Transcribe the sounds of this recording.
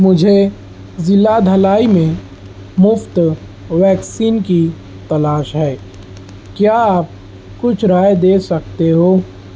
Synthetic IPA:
mʊd͡ʒʱe | zɪlad̪ʱɐlaːimẽ | mʊft̪ | ʋɛːksiːnki | t̪ɐlaːʃɦɛː | kjaaːp̚ | kʊt͡ʃʰɾaːjd̪eːsɐkt̪eɦoː

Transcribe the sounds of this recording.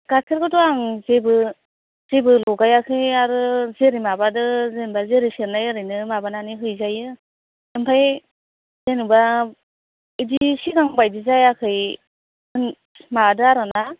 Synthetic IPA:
ɡ̥akʰeɾɡɯtɔaŋzebɯ | z̥ebɯlɔɡajakʰɯjaɾɯzeɾimabadɯzenbazeɾiseɾnajɯɾɯjnɯmabananiɦɯjzajɯ | ɯmpʰaj | zenuba | idisiɡaŋbajdizajakʰɯj | ɯn | madɯaɾana

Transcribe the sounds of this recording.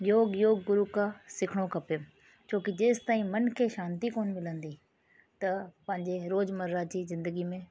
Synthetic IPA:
joːɡjoːɡːʊɾukasɪkʰɽ̃okʰɐpe | t͡ɕʰoːkid͡ʑeːst̪aːĩmɐnkʰeːʃãːnt̪ikoːnmɪlə̃nd̪i | t̪ɐpɐ̃ɦɪ̃ɲd͡ʑeɾoːd͡ʑmɐɾzad͡ʑiːzɪ̃nd̪əɡimẽ

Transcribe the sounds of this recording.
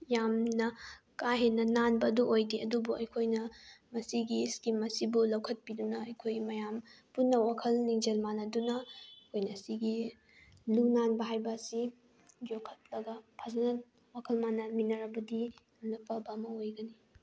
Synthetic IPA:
jamnɐ | kaɦenːɐnanbɐːduʔojdiɐdubuɐjkʰojnɐmɐsiɡiskimːɐsibulɐwkʰɐt̚pidunɐɐjkʰojmɐjam | punːɐwakʰɐlniŋd͡ʒelmanɐdunɐkʰojnɐsiɡi | lunanbɐɦajbɐsi | d͡ʒokʰɐt̚lɐɡɐpʰazɐnɐ | wakʰɐlmanɐminɐɾɐbɐdijamnɐpɐbɐːmɐojɡɐni

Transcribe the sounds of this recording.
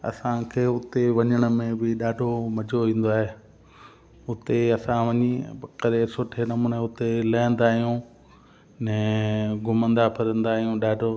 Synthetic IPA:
ɐ̰sãkʰeːʊt̪eʋɐɲəɽ̃ə̆mẽbɪɗaːɖʱomɐd͡ʑʱoʋĩːn̆d̪oaːɦeː | ʊt̪eɐsãʋɐɲiɐkəɾesʊʈʰenɐmuːneʊt̪elɐːə̃nd̪aːɦijũ | nɛ̃ɡʱʊmə̃nd̪apʰɐɾə̃nd̪aːɦijũɗaːɖʱo

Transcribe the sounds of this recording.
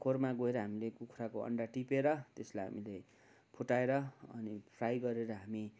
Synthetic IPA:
kʰormaɡoeɾʌɦamilekukʰɾakoʌ̰ɳɖaʈipeɾʌt̪eslajɦa̰mile | pʰuʈaeɾʌʌ̰nipʰrajɡʌɾeɾʌɦami

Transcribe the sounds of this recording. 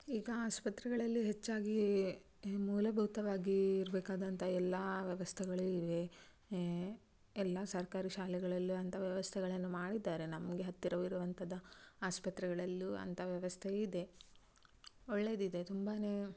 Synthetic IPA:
iːɡɐaːspɐt̪ɾɛɡɐɭɐlːiɦet͡ʃːaːɡi | muːlɐbʱɐʋt̪ɐʋaːɡiːɾbɛːkaːd̪ɐnt̪ʰɐɛlːaʋjɐʋɐst̪ʰɛɡɐɭuiʋe̞ | ɛlːɐsɐɾkaːɾiʃaːlɛɡɐɭɐlːuɐnt̪ʰɐʋjɐʋɐst̪ʰɛɡɐɭɐnːumaːɽid̪ːaːɾe̞nɐmɡe̞ɦɐt̪ːiɾɐʋiɾuʋɐnt̪ɐd̪ɐaːspɐt̪ɾɛɡɐɭɐlːuɐ̰nt̪ʰɐʋjɐʋɐst̪ʰeid̪e̞ | oɭːe̞ːd̪id̪e̞t̪umbaːne

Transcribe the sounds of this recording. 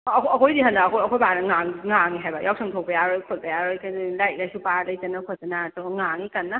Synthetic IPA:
ɔkʰɐkʰojdiɦandaːkʰoɐkʰojbanaŋaŋŋaŋiɦajbajaw̚sʰɯŋtʰok̚pejaɾojkʰot̚pajaɾɯjkʰalaj̚lajsupalajzanakʰosanatawŋaŋikanːa

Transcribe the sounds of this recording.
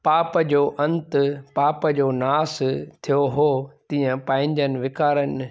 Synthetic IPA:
paːpəd͡ʑoːʔɐ̃nt̪paːpəd͡ʑoːnaːst̪ʰijoɦoːt̪ĩːə̃pãːɪ̃ɲd͡ʑənɪ̆ʋɪkaːɾənɪ

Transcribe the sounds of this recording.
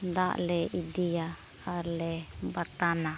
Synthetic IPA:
d̪aʔlɛid̪ija | alɛbaɾt̪ana

